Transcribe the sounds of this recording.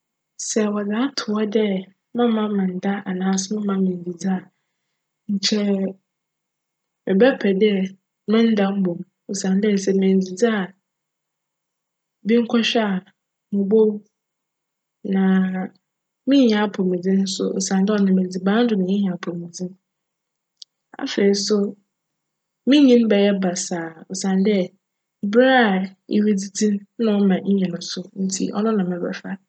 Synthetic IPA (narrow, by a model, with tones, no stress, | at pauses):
sɛ˨wɔ˨dãː˨˦tʰʊ˨ɔ˦dɛ˦ | mã˦mã˦mã˨n̩˨da˦ʔa˨nãː˨˦sʊ̃˦mã˦mɪ̃˨n̩˨d͡zi˨d͡za˦˨ | ɲ̩˨t͡ɕʰɛ˦ | mɪ̃˨bɛ˦pʰɛ˨dɛ˦˨ | mʊ̃˦n̩˦dã˦m̩˦bõ˨m | o˨sã˨n˦dɛ˦˨sɛ˨mɛ̃˨n˨d͡zi˨d͡za˦˨ | bĩ˦ŋ̩˦kʰɔ˦ɕᶣɛ˦a˨ | mʊ̃˨bo˦ | nã˨ | mĩ˦ɲ˨ã˨˦pʰʊ˨mĩ˨d͡zĩ˦n̩˦sʊ̰˦ʔɔ̰˨sã˨ndɔ˦˨nɪ̃˨mɛ̃˨d͡zi˨bã˦n̩˦dʊ˨mɪ̃˨ɪ̃˦ɲ˨a˨pʰʊ˨mĩ˨d͡zĩ˦n | a̰˨fe˨i˦sʊ˦ | mĩ˦ɲĩ˦n˦bɛ˨jɛ˦ba˨saː˨ɔ˨sã˨n˦dɛ˦˨ | bɾa˦˨ḭ˨wi˦d͡zi˦dĩ˦nnʊ̃˦mã˨ɲ̩˦ɲɛ̃˨nʊ̃˨sʊ˦n̩˦tʰḭ˦ʔɔ̰˦nʊ̃˦nã˨mɛ̃˨bɾɛ̰˨fa˦